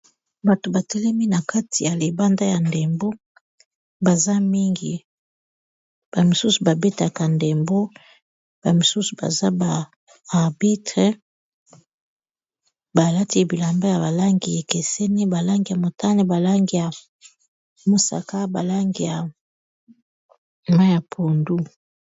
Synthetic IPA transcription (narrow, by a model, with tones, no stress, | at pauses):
ba˨to˨ba˨tɛ˦lɛ˦mi˦na˨ka˦ti˨ja˨le˨ba˦nda˦ja˨nde˨mbo˦ | ba˨za˦mi˦ŋɡḭ˨ | b̥a˨mi˨su˦su˨ba˨be˦ta˨ka˨nde˨mbo˦ | b̥a˨mi˨su˦su˨ba̰˨za˦baː˨ | ʁbi˦tʁe˦ | ba˨la˦ti˦˨bi˨la˨mba˦ja˨ba˨la˦ŋɡi˨e˨ke˨se˦ni˦ba˨la˦ŋɡi˨ja˨mo˨ta˦ni˦ba˨la˦ŋɡi˨ja˨ | mo˦sa̰˨ka˦ba˨la˦ŋɡi˨ja˨ | ma˦ja˨pʰo˨ndu˦